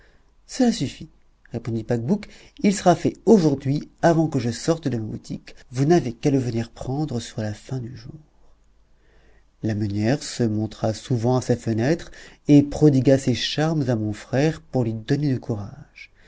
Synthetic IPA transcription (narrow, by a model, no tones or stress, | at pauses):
səlasyfi | ʁepɔ̃d̪ipak̚buk | ilsəʁafɛoʒuʁd̪ɥiavɑ̃kəʒəsɔʁt̪d̪əmabut̪ʰḭkvunavekaləvəniʁpχɑ̃d̪ʁəsyʁlafɛ̃d̪yʒuːʁ | lamanjɛʁsəmɔ̃t̪χasuvɑ̃asafənɛt̪χepχɔd̪iɡaseʃaʁmzamɔ̃fχɛʁpuʁlɥid̪ɔned̪əkuʁaʒ̥